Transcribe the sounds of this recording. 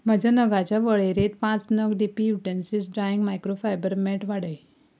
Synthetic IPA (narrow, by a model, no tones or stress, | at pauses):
m̤ad͡ʑanəɡat͡ɕjaʋəɭeɾet̪̚pãt͡snəɡɖipijuʈensisɖɾajiŋɡmajkɾofajbəɾmɛʈʋaɽəj